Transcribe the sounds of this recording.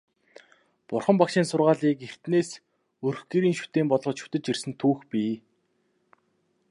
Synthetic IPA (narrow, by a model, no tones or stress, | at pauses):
pʊrχə̆mpakʃɪːnsʊrʁaːɮiːker̥t̪neːs | ɵrxɡeːɾiːnʃu̥t̪eːmpɔɮʁɞ̆t͡ɕʃu̥t̪ɘ̆t͡ɕirsɘ̆nt̪ʰuːxpʲiː